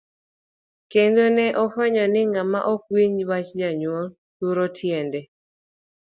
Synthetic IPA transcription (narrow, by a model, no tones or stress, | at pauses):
kendonɛʔɔfɔɲɔnɪŋama̰ʔɔkwiɲwat͡ʃd͡ʒaɲwɔ | t̪uɾotʰjɛndɛ